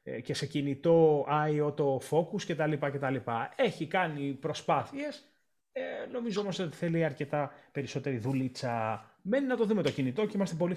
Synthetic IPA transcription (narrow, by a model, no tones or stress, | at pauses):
ce̞se̞cinit̪o̞ɐio̞t̪o̞fo̞kusce̞t̪ɐlipɐce̞t̪ɐlipɐe̞çikɐnipɾo̞spɐθie̞s | no̞mizoo̞mo̞so̞t̪i̥θe̞liɐɾce̞t̪ɐpe̞ɾiso̞t̪e̞ɾiðulit͡sɐme̞ninɐt̪o̞ðume̞t̪ocinit̪o̞ceimɐst̪e̞po̞li